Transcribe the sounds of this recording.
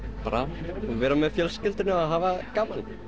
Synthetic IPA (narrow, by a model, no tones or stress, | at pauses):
pa̰ɾavɛːɾamɛðfjɛlscɪlt̪ɪnɪaðɦaːvakaːmal